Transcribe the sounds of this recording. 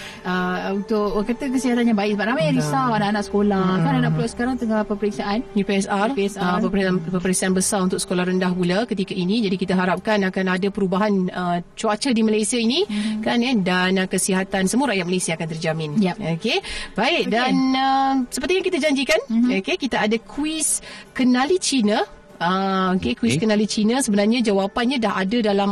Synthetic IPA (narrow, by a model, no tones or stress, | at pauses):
əunt̪ʊk̚kərt̪əkəsiɦat̪anjaŋbaɪʔ̚səbat̚namajɲãɾisawanaʔanaʔsə̥kolahkananaʔpulaʔsə̥kaɾaŋt̪əŋalpəpəɾiksaʔanupiɛsarapəpɾiəpəɾik̚saʔanbəsarunt̪ʊksə̥kolahɾəndahpuləkət̪ikəinĩd͡ʒadikit̪əɦaɾap̚kanakanadapəɾubaɦanət͡ʃuat͡ʃədimalajsiainĩkanɛdanəkəsiɦat̪ansəmuəɾaʔjat̪̚məlajsiaːkant̪ərd͡ʒamɪ̃nokebaɪʔ̚danəsəpərt̪ijaŋkit̪ad͡ʒaɲd͡ʒikanokekit̪aadakʰwiskənalit͡ʃina | əokekuiskənalit͡ʃinasəbənarɲãd͡ʒawapanɲãdaɦadadalam